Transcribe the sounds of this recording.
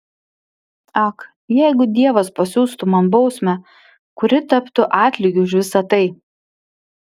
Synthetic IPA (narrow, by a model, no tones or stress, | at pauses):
ɐk | jɛˑɪɡʊd̪ʲiɛʋɐspɐsʲuːst̪ʊmɐnbɒʊsʲmʲɛ | kʊɾʲɪt̪ɐpt̪ʊʔɑːt̪ʲlʲɪɡʲʊʊʃ̬ʋʲɪsɐt̪ɐɪ